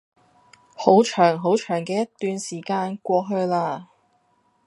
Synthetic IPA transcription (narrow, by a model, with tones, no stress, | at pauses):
ho˨˥wt͡ʃʰœː˨˩ŋɦo˨˥wt͡ʃʰœː˨˩ŋkɛː˧jɐ˥t̪ːyː˨˧nsiː˨˩kaː˧nkʷɔː˧ɦɵ˧ɥlaː˧